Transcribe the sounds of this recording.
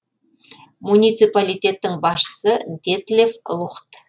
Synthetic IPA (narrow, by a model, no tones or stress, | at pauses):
munijt̪sɨjpalʲijt̪ʲe̞t̪ːɪŋbɑsʃə̥sənt̪ʲet̪lʲevʊ̰lˠəχt̪